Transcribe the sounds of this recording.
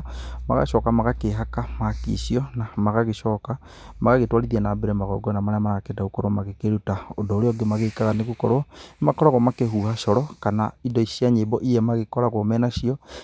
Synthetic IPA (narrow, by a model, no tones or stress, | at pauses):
ma̰ɣa̰ʃɔːkamaɣakeɦakamakḭsiɔnamaɣaɣeʃɔːka | maɣaɣetwaliðanabeɾɛmaɣɔɡɔnamaɾamaɣakedaukoɾomaɣekeɾutaondoːɾeɔɡemaɣekaɾaneɣukɔɾɔmakɔɾaɣɔmakeɦuːhaʃɔɾɔkanaidɔisiaɲebɔʔijɛmaɣekɔɾaɣwomɛnaʃiɔ